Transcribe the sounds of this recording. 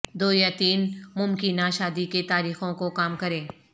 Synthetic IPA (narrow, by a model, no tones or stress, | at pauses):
d̪oːjat̪iːnmʊmkɪnaʃaːd̪iket̪aːɾiːxõkokaːmkɐɾẽː